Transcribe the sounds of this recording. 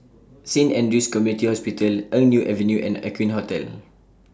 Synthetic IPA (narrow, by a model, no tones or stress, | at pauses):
sĩnɛ̃nduskɔmjunitihɔspitəlʔə̃ŋnjuʔɛvə̃njuʔɛ̰̃na̰kwĩnɦotɛ̰l